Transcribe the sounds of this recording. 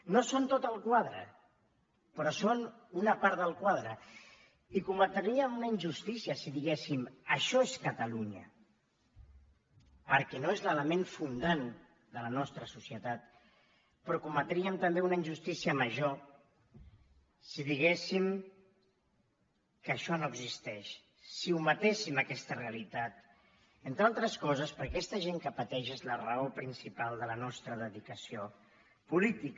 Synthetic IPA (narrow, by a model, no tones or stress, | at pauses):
nosont̪ot̪əlˠkwaðɾə̰ | pɾɔson | unəpaɾt̪ðəlˠkwaðɾə | ikumət̪ɾɾiəmunəinʲʒust̪isiəsiðiɣesiməʃɔeskət̪əluɲə̰ | pəɾkɛnoezlələmeɱfund̪an | d̪ələnɔst̪ɾəsusiət̪at̪ | pɾɔkumət̪ɾiəmt̪əmbeunəinʒust̪isiəməʒo | siðiɣ̞esim | kəʃɔnoəɡzist̪ɛʃ | siumət̪esiməkɛst̪əreəlit̪at̪ | ent̪ɾalˠt̪ɾəskɔzəspəɾkɛst̪əʒeŋkəpət̪ɛʃezlərəopɾinsipalˠd̪ələnɔst̪ɾəðəðikəsio | pulit̪ik